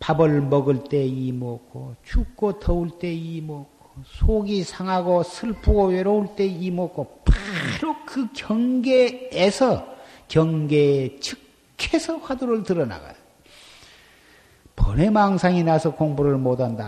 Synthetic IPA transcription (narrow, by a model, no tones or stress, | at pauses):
pabɯɭmʌɡɯɭt͈e̞imokʰot͡ɕuk̚k͈ːotʰʌuɭt͈e̞imʌkʰo̥sʰoɡisʰaŋɦaɡosʰɯɭpʰuɡoɥeɾouɭt͈e̞imok͈ʰːopɾokɯkjʌŋɡeːsʰʌkjʌŋɡet͡ɕʰɯk | kʰːesʰʌɸwaduɾɯɭtɯɾʌna̰ɡa̰ | pʌne̞maŋsʰaŋinasʰʌkoŋbuɾɯɭmodanda̰